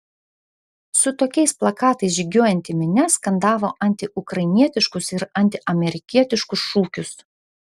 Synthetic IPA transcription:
sʊt̪oːkʲɛɪsplˠɐkɑːt̪ɐɪsʒʲɪɡʲoɔjɛnʲt̪ʲɪmʲɪnʲɛskɐnd̪ɑːʋoːʔɐnʲt̪ʲɪʔʊkɾɐɪnʲiɛt̪ʲɪʃkʊsɪɾɐnʲt̪ʲɪʔɐmʲɛɾʲɪkʲiɛt̪ʲɪʃkʊsʃuːkʲʊs

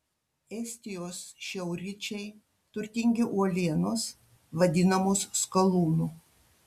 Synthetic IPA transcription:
ɛsʲt̪ʲɪjoːsʃʲɛʊɾʲɪt͡ʃʲɛɪ | t̪ʊɾʲt̪ʲɪŋʲɡʲɪʔuɔlʲiɛnos | ʋɐd̪ʲɪnɐmʊsskɐlˠuːnu

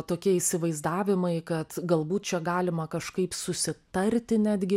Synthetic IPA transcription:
t̪oːkʲiɛɪsʲɪʋɐɪzd̪ɑːʋʲɪmɐɪkɐt̪ɡɐlˠbuːt̪̚t͡ʃʲɛɡɑːlʲɪmɐkɐʃkɐɪpsʊsʲɪt̪ɐɾʲt̪ʲɪnʲæːd̪ʲɡʲɪ

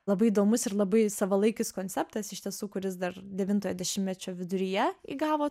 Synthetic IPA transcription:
lˠɐbɐɪid̪oːmʊsɪɾlˠɐbɐɪsɑʋɐlˠɐɪkʲɪskoːnʲt̪sʲɛpt̪ɐsɪʃt̪ʲiɛsuːkʊɾʲɪsd̪ɐɾd̪ʲɛʋʲɪnt̪oːjoːd̪ʲɛʃʲɪmmʲɛt͡ʃʲoːʋʲɪd̪ʊɾʲijɛḭɡɑːʋoː

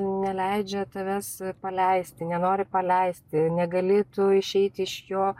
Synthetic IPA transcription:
nʲɛlʲɛɪd͡ʒʲɛt̪ɐʋʲɛspɐlʲɛɪsʲt̪ʲɪnʲɛnoːɾʲɪpɐlʲɛɪsʲt̪ʲɪnʲɛɡɐlʲɪt̪ʊɪʃʲɛɪt̪ʲɪɪʃjoː

